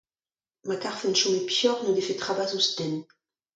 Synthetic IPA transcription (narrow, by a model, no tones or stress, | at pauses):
makaʁfɛnʃovepjɔʁnəd̪efɛt̪χabazosd̪ɛn